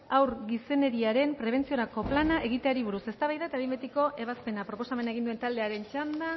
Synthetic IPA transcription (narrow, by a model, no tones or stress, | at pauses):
awɾɣise̞ne̞ɾiaɾe̞mpɾe̞β̞e̞nt͡sio̞ɾako̞planaʔe̞ɣit̪e̞aɾiβuɾuse̞st̪aβajðaet̪aimbet̪iko̞ʔe̞βaspe̞napɾo̞po̞samenaeɣind̪uent̪ald̪e̞aɾe̞nt͡ʃand̪a